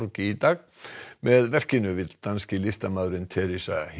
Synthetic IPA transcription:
ɾcɪit̪aːɣ | mɛðvɛr̥cɪnʏvɪt̪lt̪anscɪlɪst̪amaðɾɪnt̪ʰɛːɾisa̰h

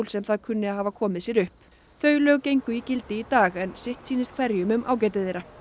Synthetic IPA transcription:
lsɛmθaðkʰʏnːɪaɦaːvakʰɔːmɪðsjɛɾʏhp | θœːɥlœɣcejŋkʏicɪlt̪ɪit̪aːɣɛnsɪht̪siːnɪst̪kʰv̥ɛɾjʏmʏmʔa̰ːwcɛːjt̪̬ɪθejɾa

